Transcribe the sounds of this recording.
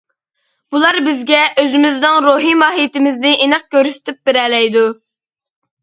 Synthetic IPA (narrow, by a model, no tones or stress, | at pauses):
b̥ulˠɑɾbɪzɡʲɛʔøzɪmɪznɨŋɾoɦimɑːɦijt̪ɪmɪznɪʔenɨq̚kʲøɾsɪ̥t̪ʰɪp̚bɪɾɛlɛjd̪u